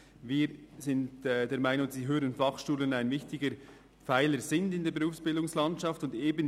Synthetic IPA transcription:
viːɾzɪntːdeːɐɾmaɪnʊŋziːɦøːɾənfɑχʃuːlənaɪnvɪçtɪɡəɾ | faɪləɾzɪndɪndeːɾbeɾuːfsb̥ɪldʊŋslɑntʃɑftʊndeːbən

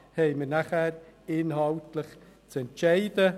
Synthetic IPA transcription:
hɛɪməɾnaχæːɾɪnhɑltləχ | t͡sɛntʃɛɪd̥ə

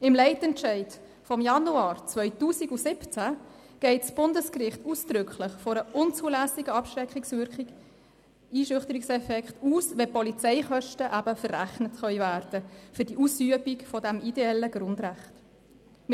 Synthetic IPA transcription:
ɪmlɛɪtɛntt͡ʃɛɪd | fɔmjɑnuɑːɾt͡sʋœʏtuːsiɡusɪpt͡sæ | ɡ̥ɛɪtsb̥ʊndəskɾɪχtuːsd̥ɾʏkχləχfɔɾəʔʊnt͡suːlæsɪɡəɑpʃɾɛkχiksʋʏɾkχiɡ̥ | iːʃʏχtəɾiksɛfɛkχtuːsʋɛpɔlit͡sɛɪχœʃtəʔæbəfərːæχnətχœʏvæːɾd̥əfʏɾdiʔuːsyəbikfɔdæmideɛlːəɡɾʊndɾæχt | m

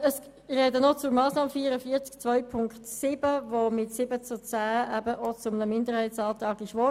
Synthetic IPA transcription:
əs | rɛdənot͡sʊɾmɑːsnɑːməfiːəɾəfiːt͡sk̚t͡svœʏpʰʊŋktsɪb̥əvomɪtsɪbət͡sut͡sæːɛbəʔot͡sʊmənəmɪndəɾhaɪtsɑːtɑːɡɪʃʋɔ

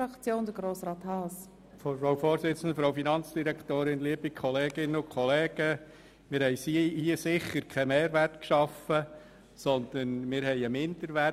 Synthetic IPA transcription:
ɑkt͡sjoːndəɡɾoːsɾɑːt̪hɑːs | ɾoʊwfoːɾsɪt͡sən̩dəfɾowfinɑnt͡sd̥iɾɛkt̪oːɾɪnliəbikχɔleːɡ̥ɪnːəʊkʰχɔleːɡ̥ə | mɪːɾhɛɪsihiəsɪχəɾkʰɛmeːɾʋærtkʃɑfə | sɔnd̪̥ənmɪɾɦhɛɪəmɪnd̥əɾʋæ

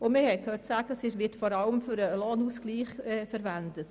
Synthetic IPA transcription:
ʊmɪhɛɪkʰhøːtsæːɡ̥əsɪʃʋɪtfɔɾɑləmfyɾəloːnuːskliːχɛfəɾʋændət

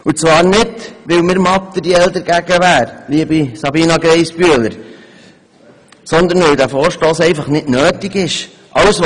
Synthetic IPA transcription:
ut͡svɑːɾnɪdʋɪwmɪɾmɑt̪̚ədiɛld̪əɾɡ̥æɡ̥əʋæːɾliəbisɑbiːnɑɡɾɛɪsb̥yələɾ | sɔnd̪əɾnʋɪwd̪æfoːɾʃtoːsɛɪfɑχnɪdnøːtiɡɪʃ | ʔɑws

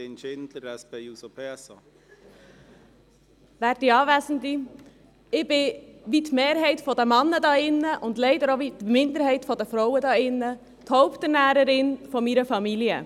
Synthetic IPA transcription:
ɛnʃɪntləɾɛsb̥ɛɪusopʰɛɐsɔ | væːɾdiɑːʋɛːsən̩di | ɪb̥ɪʋitmeːɾɦɛɪtfɔdəmɑnːədɑːɪnːəʔʊndlɛɪdəɾoʋitmɪndəɾhɛɪtfɔdəfɾɔʊədɑːɪnːə | t̪hɔʊpt̪ənæːɾəɾɪnfɔmiːɾəfɑmiljə

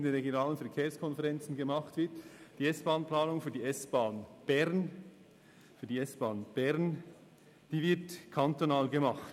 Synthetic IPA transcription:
ndeːnʁeɡjonaːlənfɛɐkʰeːɐskʰɔnfɛʁɛnt͡sn̩ɡəmɑχtv̥ɪtd̥iːɛsb̥aːnplaːnʊŋfyːɐdiːɛsb̥aːnb̥ɛʁn | fyːɐdiːɛsb̥aːnb̥ɛʁn | d̥iːvɪɐtkʰantonaːlɡəmɑχt

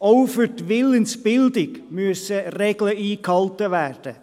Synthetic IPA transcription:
oʊfətʋɪlənsb̥ɪld̪ɪɡmʉsəreːɡ̥ləiːkʰɑlt̪əʋæɹd̥ə

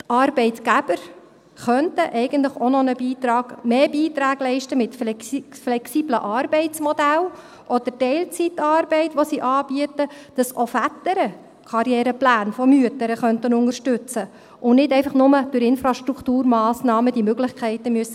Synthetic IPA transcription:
tɑɾbɛɪtɡ̥æb̥əɾ | χœntəʔɛɪɡ̥əntləχonɔnəbiːt̪ɾɑːɡ̥meːbiːt̪ɾæːɡ̥lɛɪʃtəmɪtfflɛksibləʔɑːɾbɛɪt͡smɔdæl | ʔɔd̪̥əɾtɛɪlt͡sitɑːɾbɛɪtʋosiʔɑːbiətəd̥ɑsofætəɾə | kʰɑɾjɛːɾəplæːnfɔmyətəɾəχœntənʊŋəɾʃtʏt͡sə | ʔʊnnɪdɛɪfɑχnʊməd̥ʊɾɪnfɾɑʃt̪ɾukʰt̪uːɾmɑːsnɑːməd̥imøɡlɪχkʰɛɪtəmyəsə

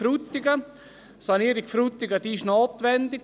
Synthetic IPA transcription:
ɾut̪ːɪɡə | sɑniːɾɪkfɾut̪ːɪɡəd̥̪iːʃnoːt̪ʋɛnd̪ɪk

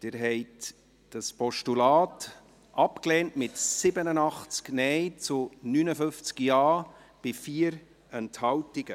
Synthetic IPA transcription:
d̥ɪɾɦɛɪt | d̥ɑspɔʃtulɑːt | ʔɑpklɛːntmɪtsɪbənənɑχt͡sknɛɪt͡sʊnyːnəfʏft͡skjɑː | b̥ɪfiːəɾ | ɛnthɑwtɪɡ̥ə

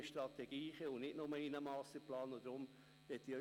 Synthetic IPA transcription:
ʃtɾɑt̪ɛɡ̥iːχɛʊnɪtnʊməinəmɑːstəplɑːnod̪ɾʊm | ʋɛt̪ːiœ

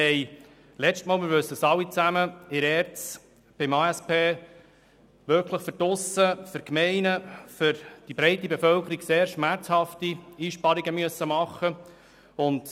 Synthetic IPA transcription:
ɛɪ | lɛt͡stmɑːlmɪɾʋʉsəəsɑlːit͡sæməɪɾɛɾt͡s | b̥ɪmɑːɛspeː | ʋʏɾkʰləχfʏɾtʊsəfʏɾkmɛɪnəfʏɾd̥ibɾɛɪtːibefœlkəɾiɡseːɾʃmæɾt͡shɑftiiːʃpɑɾiɡəmyəsːəmɑχːə | ʊnt

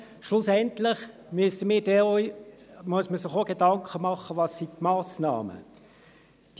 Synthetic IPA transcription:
ʃlʊsɛntlɪχmysəmiːd̥ɛɔjmuəsməsɪχoɡ̥edɑŋkχəmɑχəʋɑsitmɑːsnɑ̰ːmə̰ | d̥

